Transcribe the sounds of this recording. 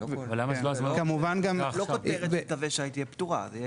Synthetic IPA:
vvalːamaloazmakamuvanɡamlokot̪eʁet̪aveʃeait̪iept̪uʁa̰zej

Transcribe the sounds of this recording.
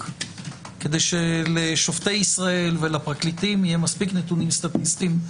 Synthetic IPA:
ke̞d̪ejʃeleʃoftejisʁae̞lvelapʁaklit̪imijemaspiknet̪unimst̪at̪ist̪im

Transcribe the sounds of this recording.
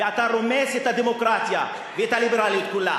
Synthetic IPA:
at̪aɾomɛset̪ad̪emokɾasja | vet̪alibeɾalekula̰

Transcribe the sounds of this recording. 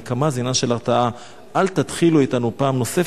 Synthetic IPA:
kamazinaʃe̞laʁtaʔa | ʔalt̪at̪χiluitanupaːmno̞se

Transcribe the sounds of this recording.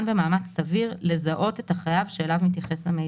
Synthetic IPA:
nbe̞maːmat͡ssaviʁle̞zaʔo̞t̪et̪aχajavʃeːlavmit̪jaχe̞slame

